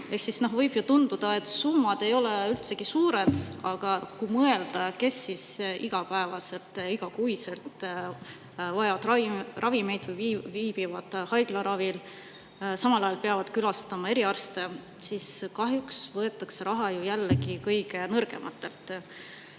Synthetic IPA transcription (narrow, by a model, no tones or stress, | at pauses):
e̞hksisno̞ɦvɤjb̥jut̪und̪̥ud̪̥ɑe̞t̪ːˑsumːɑd̪̥e̞jo̞leylt̪se̞ɡ̥isuːɾe̞d̪̥ɑɡ̥ɑkujmɤe̞ld̪̥ɑke̞sːisʔiɡ̥ɑpæevɑse̞lt̪ˑiɡ̥ɑkujse̞lt̪ˑ | vɑevɑd̪̥rɑrɑvime̞jd̪̥vɯjvviːb̥ivɑd̪̥hɑjɡ̥lɑɾɑvil | sɑmɑlɑjɑlpe̞ɑvɑd̪̥kylɑst̪ɑmɑe̞ɾiɑrst̪e̞ | siskɑɦjuksvɤe̞t̪ːˑɑkse̞ɾɑɦɑjujælːeɡikɤjɡ̥e̞nɤrɡ̥e̞̰mʔɑt̪ːˑe̞lt̪ˑ